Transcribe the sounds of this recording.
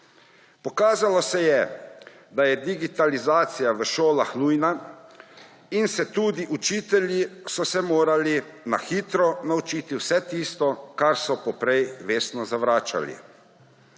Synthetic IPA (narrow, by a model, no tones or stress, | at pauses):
pɔkaːzalɔsɛjɛ | d̪ajɛd̪iɡit̪alizaːt̪sijaʋəʃoːlaxnuːjna | insɛt̪uːd̪iʔut͡ʃiːt̪ɛljisɔsɛmoːɾalina̰xiːt̪ɾɔnaut͡ʃiːt̪iwsɛt̪iːst̪ɔkaɾsɔpɔpɾɛjʋeːst̪nɔzaʋɾaːt͡ʃa̰lḭ